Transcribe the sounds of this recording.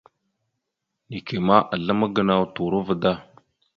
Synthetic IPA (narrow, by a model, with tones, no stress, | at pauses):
ni˨ke˨ma˦ʔa˨ɮə˦mə˦ɡə˨na˦wtu˨ɾə˦və˨da˦